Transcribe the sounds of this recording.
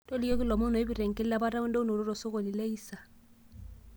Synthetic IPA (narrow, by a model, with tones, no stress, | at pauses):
to˦li˦o˦ki˦lɔ˨mo˦no˨i˦bi˨ɾɛ˨ŋ˨kɪ˦la˦ba˦ɾa˦u˦ndo˦u˦no˨ɾo˦ɾo˨so˦ko˨li˨le˦i˦sa˨